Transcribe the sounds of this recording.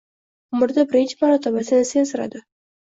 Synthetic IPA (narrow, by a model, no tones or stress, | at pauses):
ʊmʊɾd̪abɪɾɪnt͡ʃɪmaɾɒt̪ʰabasɪnɪsenzɪɾa̰d̪ɪ